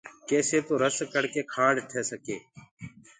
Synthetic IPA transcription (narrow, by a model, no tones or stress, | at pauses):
keːseːt̪oːɾəskəɽkeːkʰãːɖʈʰeːsəkeː